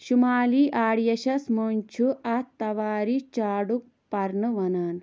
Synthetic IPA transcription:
ɕumaːliːʔaːɽjɐɕɐsmoːnt͡ʃʰuɐt̪ːɐʋaːɾit͡ʃaːɽuk̚ | pɐɾnɨʋɐnaːn

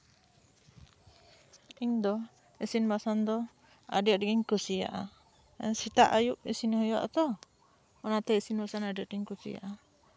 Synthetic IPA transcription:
iŋd̪ɔ | isinbasand̪ɔ | a̰dɛʔdɡiŋkusija̰ʔa | sit̪aʔajuʔisinhɔjɔʔat̪ɔ | ɔnat̪ɛisinbasanadɛʔdiŋkusḭja̰ʔa

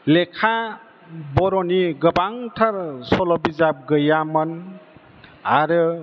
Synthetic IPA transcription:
lekʰa | bɔɾɔniɡəbaŋtʰaɾsɔlɔbizap̚ɡəjamən | aɾɯ

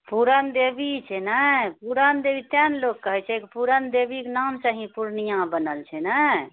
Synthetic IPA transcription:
puɾənd̪ebit͡ʃʰɛnɛpuɾənd̪ebit̪ɛnlokːəɦɛt͡ʃʰɛkipuɾənd̪ebikenamt͡ʃəɦĩpuɾnijãbənəlt͡ʃʰɛnɛ

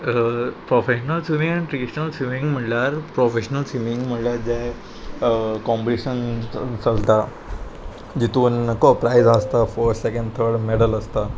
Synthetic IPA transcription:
pɾofeɕənəlsiʋĩŋɡanʈɾiɖiɕənəlsʋimĩŋɡm̤əɳljaɾpɾofeɕnəlsʋimiŋɡm̤əɳljaɾd͡ʑe | kɔ̃mbɽiɕənt͡səlt̪a | d͡ʑit̪uːnkopɾajzast̪afəɾt̪sekəɳɖt̪ʰəɾɖmeɽələst̪a

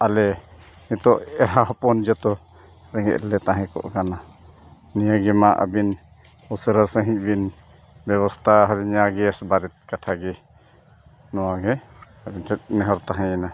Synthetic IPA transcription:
alɛ | nit̪ɔʔɛɾɦaɦɔpɔnd͡ʒɔt̪ɔ | ɾɛŋɛ̰ʔlɛt̪ãɦɛ̃kɔ̰ʔkana | nijaɡɛmaʔə̰bin | ɔsəɾasəɦĩc̚ˀbin | bɛβɔst̪ʰaɦɔɾɛɲaɡɛsbaɾɛt̪̚kaʈʰaɡɛ | nɔwaɡɛ | abintʰɛt̪̚nɛɦɔɾt̪aɦɛ̃na

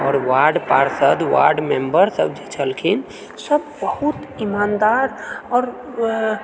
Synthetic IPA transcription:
ɔːɾʋaɾɖpaɾsəd̪ʋa̰ɾɖmembəɾsəbd͡ʒet͡ʃʰəlkʰin | səbbəhut̪imand̪aɾɔːɾ

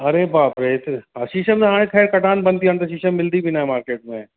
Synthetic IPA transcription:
ɐɾebaːpɾeːt̪ɐʃiːʃəmẽɦaːɽ̃ẽk̪ʰɛːɾkɐʈaːnbɐnt̪iɐnt̪ɐʃiːʃəmːɪld̪ibʱinaɦɛmaːɾkeːʈ̚mẽ

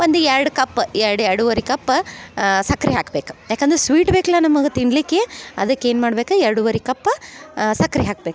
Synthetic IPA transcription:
ond̪uɛɾɐɽkɐpːɛɾɽɛɾɽuʋɐɾikɐpː | sɐkɾiɦaːkɐbeːku̥jaːkeɐnd̪ɾesʋiːʈbeːkɐlanɐmɐɡet̪iɳɖlikːeɐ̰d̪ɐkːeːnmaːɽbeːkuɛɾɽuʋɐɾikɐpːsɐkɾiɦaːk̚beːk

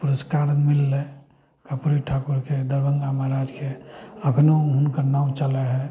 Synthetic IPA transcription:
puɾəskaɾənmilːe | kəpɾiʈʰakuɾkʰed̪əɾbə̃ŋɡamaɾad͡ʒkʰeəkʰnoɦʊnkəɾnaũt͡ʃəleɦɛ̃

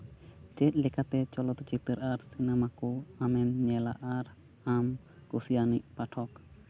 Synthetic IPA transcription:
t͡ʃɛt̪̚ˀlɛkat̪ɛt͡ʃɔlɔt̪t͡ʃit̪əɾʔaɾsinamakɔamɛmɲɛla̰ʔaɾ | am | kusijaniʔ̚paʈʰɔk

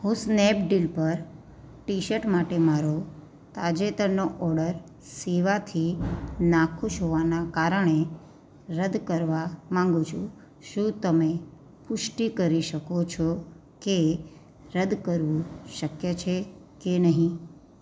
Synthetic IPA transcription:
husnɛp̚ɖilpəɾ | ʈiʃəʈmaʈemaɾo | t̪ad͡ʒet̪əɾnoʔɔɾɖəɾ | seʋat̪ʰinakʰuʃɦoʋanakaɾəɳ̃e | ɾəd̪kəɾʋamãŋɡũt͡ʃʰũ | ʃũt̪əme | pʊʃʈikəɾiʃəkot͡ʃʰo | ke | ɾəd̪kəɾʋũʃəkjet͡ʃʰe | kenəɦĩ

